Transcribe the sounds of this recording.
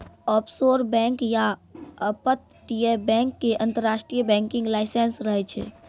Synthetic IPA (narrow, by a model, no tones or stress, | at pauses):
ɔpʰsoɾbɛ̃ŋkjaəpət̪̚ | ʈiebɛ̃ŋkːeʔə̃nt̪əɾːasʈɾijəbɛ̃ŋkĩŋɡlaɪsensɾəɦɛt͡ʃʰɛ̰